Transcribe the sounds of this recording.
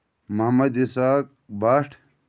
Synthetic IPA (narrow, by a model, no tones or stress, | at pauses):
mɐɦmɐd̪isaːk̚ | baːʈʰ